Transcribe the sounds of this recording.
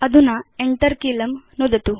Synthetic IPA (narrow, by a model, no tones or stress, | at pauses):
ɐd̪unaeɳʈɐɾkilɐmnud̪ɐt̪u